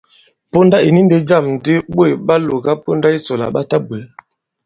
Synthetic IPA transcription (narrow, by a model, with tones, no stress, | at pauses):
po˦nda˦i˨ni˦n˦de˦d͡ʒa˦˨m˨di˦ɓwe˦˨ɓa˦lo˨ɡa˦po˦nda˦i˦so˨la̰˨ɓa˦ta˦be˨l